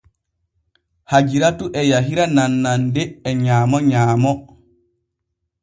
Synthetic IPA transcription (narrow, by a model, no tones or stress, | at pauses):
had͡ʒiɾatuʔɛjaɦiɾananːandɛːɲaːmɔɲaːmɔ